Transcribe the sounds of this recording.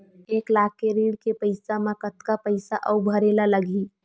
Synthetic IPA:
eklakːeɾiɽkepəɪsamakət̪kapəɪsaʔəubʱəɾelaləɡi

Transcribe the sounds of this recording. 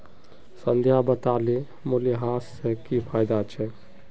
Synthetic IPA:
sənd̪ʱjabət̪ali | moliɦasːekipʰajd̪at͡ʃʰɛ

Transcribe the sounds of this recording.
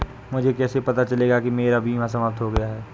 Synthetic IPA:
mʊd͡ʒʱekɛːsepɐt̪at͡ʃɐleːɡakimeːɾabʱiːmãsɐmalt̪ɦoɡɐjaɦɛː

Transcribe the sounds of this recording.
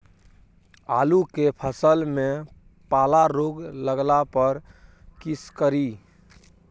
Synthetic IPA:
a̰ːlukepʰəsəlmẽ | paːlaɾoːɡləɡlapəɾ | kiskəɾi

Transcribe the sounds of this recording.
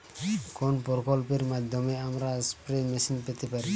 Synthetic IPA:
kɔnpɔɾkɔlpiɾmad̪ʱɔmɛamɾaspɾemisinpɛt̪ɛpaɾi

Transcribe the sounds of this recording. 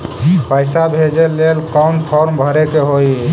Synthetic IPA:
pəjsabʱed͡ʒelelkɔwnpʰɔɾmbʱəɾekeɦoj

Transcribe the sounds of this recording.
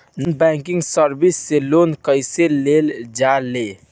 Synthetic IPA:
nunbɛŋkiŋɡsəɾbisːelonkəjseleld͡ʒale

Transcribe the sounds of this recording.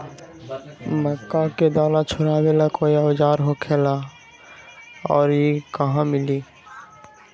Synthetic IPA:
məkːaked̪aːlat͡ʃʰoɾabelakoiawd͡ʒaːɾɦokʰela | ɔːɾjekəɦãmɪli

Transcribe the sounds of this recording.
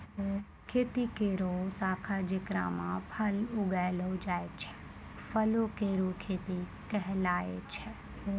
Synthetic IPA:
kʰet̪ikeɾosaːkʰad͡ʒɪkɾa̰mãpʰəlʊɡajlod͡ʒaːjt͡ʃʰe̥ | fʰəlokeɾukʰeːt̪i | kɛɦlaḛt͡ʃʰe

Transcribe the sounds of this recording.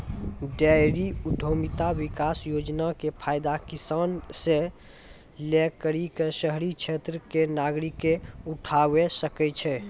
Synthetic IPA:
ɖajɾiud̪ʱomit̪awikasjod͡ʒnakepʰajd̪akisansẽ | lekəɾikesəɦɾit͡ʃʰet̪ɾəkenaɡɾikːeuʈʰawesəkɛt͡ʃʰɛ

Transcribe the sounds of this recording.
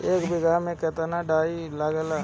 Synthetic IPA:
eːkbɪɡamẽkɛɦt̪anaɖaːilaɡɛla

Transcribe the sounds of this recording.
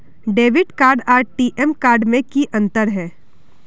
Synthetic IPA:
ɖeːʋɪɖkaːɾɖaːɾʈiːʔɛmkaːɾɖmẽkiʔɐ̃nt̪əɾɦɛː

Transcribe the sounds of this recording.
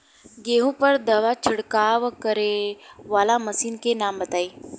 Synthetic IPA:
ɡeːɦũpəɾd̪ɐʋat͡ʃʰʊɽkaːʋkəɾeʋaːlamɐsiːnkenaːmbət̪aːiː

